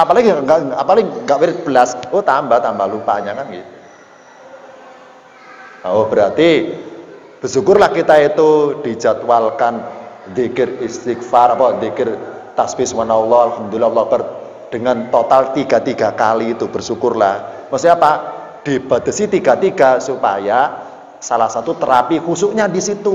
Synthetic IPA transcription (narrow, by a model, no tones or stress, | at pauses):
apalaɡiŋɡaʔapalaɡiŋɡaʔwiɾɪt̪̚b̥əlasot̪ambat̪ambalupaɲakanɡi | aob̥əɾart̪i | b̥ərsukʊrlahkit̪ait̪ud̪̥i̤̥d͡ʒat̪walkand̪ikɪrist̪ik̚farapad̪ikɪrt̪asfɪswanaulːɔalhamd̪ulilːaulːɔb̥ər | d̥əŋant̪ot̪alt̪iɡ̥a̤t̪iɡ̥a̤kaliːt̪ub̥ə̤rsukʊrlahməsiapa | d̪̥i̤b̥a̤d̪̥ə̤sit̪iɡa̤t̪iɡ̥a̤supaja | salahsat̪ut̪əɾapikusuʔɲadisit̪u